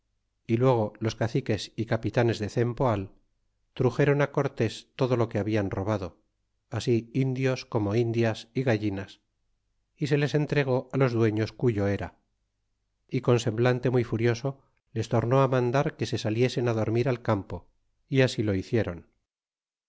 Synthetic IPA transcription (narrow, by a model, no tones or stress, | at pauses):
ilwe̞ɣ̞o̞lo̞skaθike̞sikapit̪ane̞zðe̞θe̞mpo̞al | t̪ɾuxe̞ɾo̞nako̞ɾt̪e̞st̪o̞ð̞o̞lo̞ke̞aβianro̞β̞aðo̞ | asiind̪jo̞sko̞mo̞ind̪jasiɣaʝinas | ise̞le̞se̞nt̪ɾe̞ɣ̞o̞alo̞zðwe̞ɲo̞skuʎo̞e̞ɾa | iko̞nse̞mblant̪e̞mujfuɾjo̞so̞ | le̞st̪o̞ɾno̞amãnd̪aɾke̞se̞salje̞se̞naðo̞ɾmiɾalkampo̞ | iasilo̞iθje̞ɾo̞n